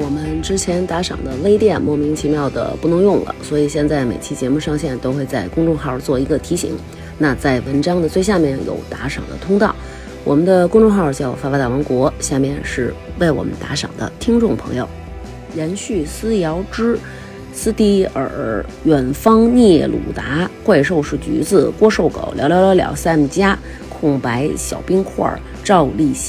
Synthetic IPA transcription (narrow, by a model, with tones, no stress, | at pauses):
wɔ˨˩mə˦nʈ͡ʂɻ̩˥t͡ɕʰjɛ˧˥nt̪a˧˥ʂɑ̰˨˩ŋd̪ə˦le˥ɪt̪jɛ˥˧nmwɔ˥˩mi˧˥ŋt͡ɕʰi˧˥mjɑ˥˩ʊd̪ə̰˩pu˥˩nʊ˧˥ŋjʊ˥˩ŋlə̰˩swɔ˧˥i˨˩ɕjɛ˥˧nt͡sa˥˩ɪmḛ˨˩ɪt͡ɕʰi˥t͡ɕjɛ˧˥mu˥˧ʂɑ˥˧ŋɕjɛ˥˩nt̪o˥ʊxwe˥˧ɪt͡sa˥˩ɪkʊ˥ŋʈ͡ʂʊ˥˧xɑ˥˩t͡swɔ˥˩i˧˥ɡə˧t̪ʰi˧˥ɕḭ˧˥ŋ | na˥˧t͡sa˥˩ɪwə˧˥nʈ͡ʂɑ˥ŋd̪ə˨t͡swe˥˧ɪɕ̬ja˥˧mjɛ˥˩njo̰˨˩ʊt̪a˧˥ʂɑ̰˨˩ŋd̪ə̰˦t̪ʰʊ˥ŋt̪ɑ˥˩ʊ | wɔ̰˨˩mə˦nd̪ə˧kʊ˥ŋʈ͡ʂʊ˥˧ŋxɑ˥˩ʊt͡ɕjɑ˥˧ʊfa˥˩ft̪a˥˩wə˧˥nkwɔ˧˥ɕja˥˧mjɛ˥˧nʂɻ̩˥˧we˥˩ɪwɔ̰˨˩mə̰˦nt̪a̰˧˥ʂɑ̰˨˩ŋd̪ə̰˦t̪ʰi˥ŋʈ͡ʂʊ˥˩ŋpʰɤ̰˧˥ŋjo̰˧˩ʊ | jɛ˧˥nɕy˥˩sɹ̩˥jɑ˧˥ʊʈ͡ʂɻ̩˥ | sɹ̩˥t̪i˥˩ə̰˞˨˩ | ɥɛ˨˩nfɑ˥ŋnjɛ˥˩lṵ˨˩t̪a˧˥kwa˥˧ɪʂ̬o˥˧ʊʂɻ̩˥˩t͡ɕy̰˧˥t͡sɹ̩˥˧˩kwɔ˥ʂo˥˩ʊko̰˨˩ʊljʊljɑ˧˥ljɑ˧˥ljɑ̰˨˩ʊsa˥˩m˨˩t͡ɕja˥ | kʰʊ˥˩ŋpa˧˥ɪɕjɑ̰˨˩ʊpi˥ŋkʰwɔ̰˥˧˩ | ʈ͡ʂɑ˥˧ʊli˥˩ɕ